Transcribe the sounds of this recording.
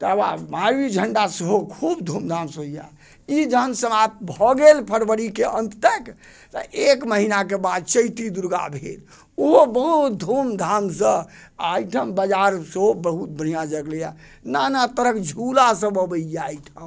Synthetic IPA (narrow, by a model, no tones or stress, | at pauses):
t̪ba̰maɾid͡ʒʱəɳɖasəɦokʰubd̪ʱumd̪ʱamsɦoija̰ | id͡ʒəɦənsəmap̚t̪bʱɔɡelpʰəɾbəɾikeʔə̃nt̪t̪ək | t̪əʔekməɦinak̬ebad̪̚t͡ʃəjt̪id̪uɾɡa̰bʱḛl | oɦobəɦut̪̚d̪ʱomd̪ʱamsə̃ajʈʰəmbəd͡ʒaɾsəɦobəɦut̪̚bəɽ̤ijad͡ʒəɡlja | nanat̪əɾəkd͡ʒʱulasə̃bəbəijajʈʰəm